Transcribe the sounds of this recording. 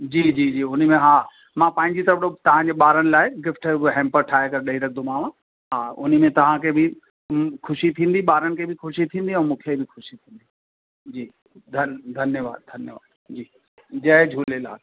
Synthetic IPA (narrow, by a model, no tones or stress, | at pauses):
d͡ʑiːd͡ʑiːd͡ʑiːʊn̤mẽɦaː | mãpãːɪ̃ɲd͡ʑit̪ɐbɽot̪ɐʋ̤ãɲd͡ʑeːɓaːɾəñɪ̆laːɪɡɪfʈɦɛ̃ːmpəɾʈʰaːekɐɾɗɐiɾɐkʰd̪omãːʋã | ɦaːʊ̰n̤ə̆mẽt̪ɐʋ̤ãkʰeːbʱɪ | kʰʊʃit̪ʰĩːn̆d̪iɓaːɾənɪ̆kʰeːbʱɪxʰʊʃit̪ʰĩːn̆d̪iɛ̃ːmũːkʰebʱɪxʰʊʃit̪ʰĩːnd̪i | d͡ʑiː | d̪ʱɐd̪ʱɐnjəʋa̰ːd̪̚d̪ʱɐnjəʋa̰ːd̪ | d͡ʑiː | d͡ʑɐɦd͡ʑʱuːlela̰ː